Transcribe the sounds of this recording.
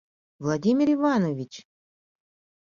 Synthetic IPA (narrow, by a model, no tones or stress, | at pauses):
vlˠadʲimʲɪɾivanovʲit͡ɕ